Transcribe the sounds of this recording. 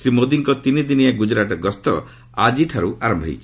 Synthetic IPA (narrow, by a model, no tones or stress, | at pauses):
sɾimod̪iŋkɔt̪inid̪iniaɡud͡ʒɾaʈɔɡɔst̪ɔ | ad͡ʒiʈʰaɾuʔaɾɔmbʱɔɦḭt͡ʃʰi̥